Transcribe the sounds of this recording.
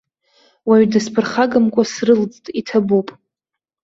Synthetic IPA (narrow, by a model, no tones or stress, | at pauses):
waɥdɨspʰɨrχaɡamkʷʼasrɨld͡ztʼitʰabupʼ